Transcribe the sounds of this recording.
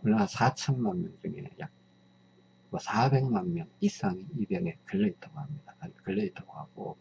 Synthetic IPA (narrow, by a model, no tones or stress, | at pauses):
kɯɭnasʰat͡ɕʰʌnmanmjʌnd͡ʑɯŋḭneja̰k̚ | mʌsʰabe̞ŋmanmjʌnis͈aŋeibjʌnekɯɭːeitʰʌɡhamɲid̥akad͡ʑikɯɭːeitʰoɡohaɡ̥o̰